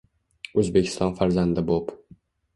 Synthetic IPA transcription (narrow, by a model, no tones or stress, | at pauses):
ɵzbe̞kʲʰɪ̥st̪ɒnfaɾzand̪ɪbop